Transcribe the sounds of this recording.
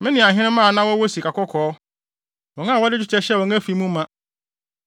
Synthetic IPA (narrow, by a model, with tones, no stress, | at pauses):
mɪ̃˦nɪ̃˨ã˨ɦɪ̃˦ñɪ̃˦mã˦˨nã˦wɔ˦wɔ˦si˨kʰa˨kɔ˦kʰɔː˨˦ | wɔ̃˨ŋã˦˨wɔ˦dɪ˦d͡ʑᶣʊ˦t͡ɕʰɛ˦ɕɛ˦˨wɔ̃˨ŋæ̃˦fi˨mũ˦mːã˦